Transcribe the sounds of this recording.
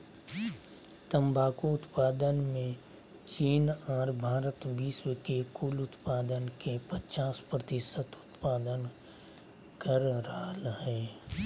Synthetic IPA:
t̪əmbʱaːkuʊt̪paːd̪ənmẽ | t͡ʃiːnɔːɾbʱaːɾət̪biːswəkekuːlʊt̪paːd̪ənkepət͡ʃaːspɾət̪ɪsət̪ʊ̥t̪paːd̪ən | kəɾɾalɦɛː

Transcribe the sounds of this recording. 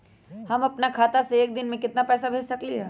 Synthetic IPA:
hɐmɐpnakʰaːt̪aseeːk̚d̪ɪnmẽkɪt̪napɛːsabʱeːd͡ʒsɐkliɦɛː

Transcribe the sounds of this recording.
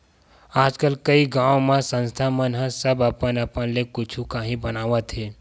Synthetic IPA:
aːd͡ʒkəlkəiɡãːõmẽsə̃nst̪ʰamənɦə̃səbəpənəpənlekʊt͡ʃʰukaːɦĩbənaːʋət̪ɦe

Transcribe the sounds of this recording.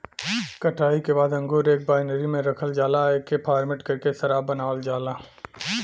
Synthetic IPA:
kɐʈʰaːikebaːd̪ɐ̃ŋɡoːɾeːk̚baːɪnəɾimẽɾɐkʰəld͡ʒaːlaeːkepʰaːɾmɪʈkɐɾkesɐɾaːbɐnaːld͡ʒaːlaː

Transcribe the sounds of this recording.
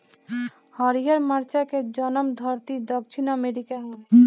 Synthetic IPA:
hɔɾijəɾmaɾt͡ʃaked͡ʒɔnɔmd̪ʱɔɾt̪id̪ɔkt͡ʃʰinɔmeɾikaɦɔ

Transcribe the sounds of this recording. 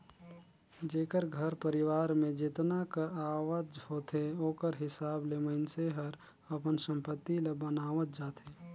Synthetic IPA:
d͡ʒeːkəɾɡʱəɾpəɾɪʋaːɾmẽd͡ʒɪt̪nakəɾaːʋəd͡ʒhoːt̪ʰeoːkəɾɦɪsaːbleməɪnseɦəɾ | ɐpənsə̃mpət̪ːilebənaːʋət̪̚d͡ʒaːt̪ʰeː

